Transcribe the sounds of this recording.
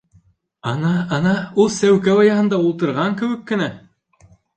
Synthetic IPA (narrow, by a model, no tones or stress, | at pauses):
ɑnɑɑnɑulˠsæwkæwɑjɑɦɤ̆nd̪ɑulˠt̪ɤ̆ɾʁɑŋkɘ̆wɘ̆kːɘ̆næ